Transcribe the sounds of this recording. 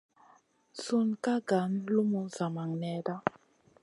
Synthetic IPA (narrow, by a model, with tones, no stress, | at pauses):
su˦nka˦ɡa˨˦nlu˦mu˨za˨ma˨ŋnɛ˦da˦